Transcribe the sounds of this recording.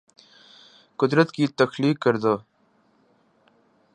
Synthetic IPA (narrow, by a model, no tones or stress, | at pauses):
kʊd̪ɾət̪kiːt̪əxliːkːəɾd̪oː